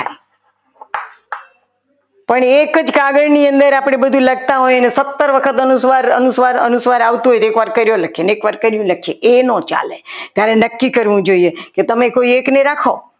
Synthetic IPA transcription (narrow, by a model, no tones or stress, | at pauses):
pəɳekəd͡ʒkaɡəɽniənd̪əɾapɽ̃ebəd̪ʱũləɡ̚t̪aɦojnesət̪ːəɾʋəkʰət̪ənusʋaɾə̰nusʋaɾə̰nusʋaɾaʋt̪uɦojt̪oekʋaɾkəɾjoləkʰeneekʋaɾkəɾjũləkʰieʔenõt͡ʃa̰let̪jaɾenəkːikəɾʋũd͡ʒoieket̪əmẽkoiekneɾakʰo